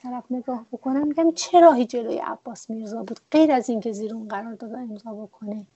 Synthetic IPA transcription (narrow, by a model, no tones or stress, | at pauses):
t̪ʰæɾæfne̞ɡɒːhbokʰonæmːiɟæmt͡ʃʰe̞ɾɒːɦiːd͡ʒe̞lo̰ːjḛʔæ̰b̥ːɒːsmiɾzɒːbuːd̪̥ɢe̞jɾæziːncʰe̞ziːɾunɢæɾɒːɾd̪ɒːd̪oe̞mzɒːbo̞kʰone